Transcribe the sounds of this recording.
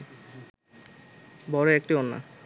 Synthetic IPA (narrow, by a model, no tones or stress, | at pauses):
bɔɾeek̚ʈionːa̰